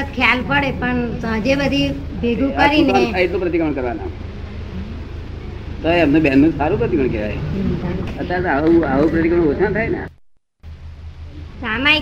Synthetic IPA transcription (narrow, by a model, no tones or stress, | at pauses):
ət̪kʰjalpəɽepəɳd͡ʒebəd̪ʱi | bʱeɡʱũkəɾinaesaɦit̪nũpɾət̪ikəɾəɳkəɾʋana̰ | t̪oeəmnebanːũsaɾũpɾət̪ikəɳkɛʋa̰j | ət̪at̪auaupɾət̪ikəɾə̃ɽot͡ʃ̪ʰãt̪ʰajnḛ | sama